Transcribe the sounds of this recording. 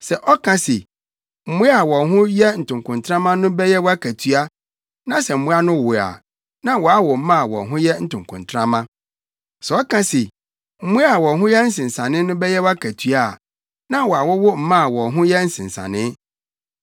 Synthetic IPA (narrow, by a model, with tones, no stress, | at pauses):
sɛ˨ʔɔ˦kʰã˦sɪ˨ | m̩˨mũ˦a˨wɔ̃˨ɦʊ̃˦jɛ˦n̩˨tʰʊ̃˨ŋkʰʊ̃˨ntʰɾã˦mã˦nʊ̃˦bɛ˦jɛ˦wɔ˦a˦kʰæ˨tʰɥa˦ | nã˦sɛ˨m̩˨mũ˦a˦nʊ̃˦wʊ˨a̰˨ | nã˦wɔ˨a˦wʊ˨m̩˦mã˦a˨wɔ̰̃˨nɦʊ̃˦jɛ˦n̩˦tʊ̃˨ŋ˨kʰʊ̰̃˨ntʰɾã˦mã˦ | sɛ˨ɔ˦kʰã˦sɪ˨ | m̩˦mũ˦a˨wɔ̃˨ɦʊ̃˦jɛ˦n̩˦sɪ̃˨n̩˨sã˨nɪ̃˦nʊ̃˦bɛ˦jɛ˦wɔ˦a˦kʰæ˨tʰɥa˨ | nã˦wɔ˨a˨wʊ˦wʊ˦m̩˨mã˦a˨wɔ̃˨ɦʊ̃˦jɛ˦n̩˦sɪ̃˨n˨sã̰˨nɪ̃˦